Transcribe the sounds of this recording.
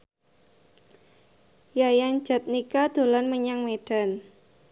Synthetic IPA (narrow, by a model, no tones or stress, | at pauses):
jajaŋ̥d͡ʒ̥a̤t̪̚nikad̪̥o̤lanməɲaŋmeɖ̥a̤n